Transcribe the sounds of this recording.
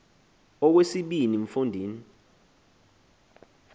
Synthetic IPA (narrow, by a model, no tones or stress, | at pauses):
ɔk̬wesiɓiniɱfundʱiːni